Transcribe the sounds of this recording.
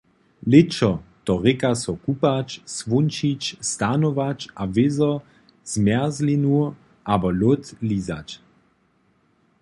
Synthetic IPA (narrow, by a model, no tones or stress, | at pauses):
lɪt͡ʃɔt̪ɔʁɪkasɔkupat͡ʃsvunt͡ʃit͡ʃst̪anovat͡ʃavɪzɔ | z̥mɛɐzlinu | ʔabɔlot̪lizat͡ʃ